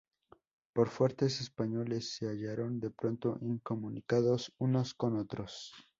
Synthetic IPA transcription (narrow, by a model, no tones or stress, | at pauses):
po̞ɾfwe̞ɾt̪e̞se̞spaɲo̞le̞sːeaʝaɾo̞nd̪e̞pɾo̞nt̪o̞ʔiŋko̞mũnikaðo̞suno̞sko̞not̪ɾo̞s